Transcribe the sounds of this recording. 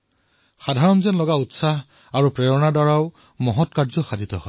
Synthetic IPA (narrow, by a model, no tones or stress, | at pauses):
xadʱaɹɔnzɔnlɔɡautsaɦ | aɹupɹɛɹɔnadaɹaʊ | mɔɦɔtkaɹzɔxadʱit̪ɔhɔj